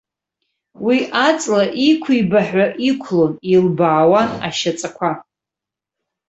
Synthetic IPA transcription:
wiʔat͡sʼlaʔikʷʰibaħᶣʷaʔikʷʰlonilbaːwana̰ʃat͡sʼakʷʰa

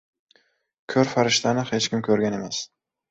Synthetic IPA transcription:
kʲʰɵɾfaɾɪʃt̪ʰanɪhe̞t͡ʃkʲɪmkʲʰɵɾɡʲane̞mas

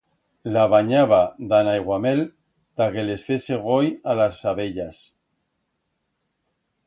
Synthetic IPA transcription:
laβaɲaβad̪anajɣwamel | t̪akelesfeseɣ̞ojalasfaβeʎas

